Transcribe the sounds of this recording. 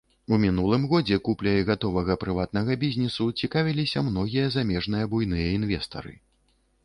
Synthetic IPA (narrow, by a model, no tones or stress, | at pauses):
umʲin̪ulˠɨmɣɔd͡zʲɛkuplʲɐjɣat̪ɔvɐɣɐpɾɨvat̪̚nɐɣɐbʲizʲnʲɛsut͡sʲikavʲilʲisʲɐmnɔɣʲijɐzamʲɛʐn̪ɨjɐbujnɨjɐinvʲɛst̪ɐ̰ɾɨ̰